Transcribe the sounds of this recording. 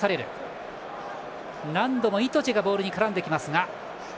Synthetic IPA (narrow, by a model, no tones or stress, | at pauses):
aɾe̞ɾɯ̟̰ | nãnd̪o̞mo̞it̪o̞t͡ɕiɡabo̞ːɾɯ̟ɲ̟ikaɾãnd̪e̞kʲimasɨŋa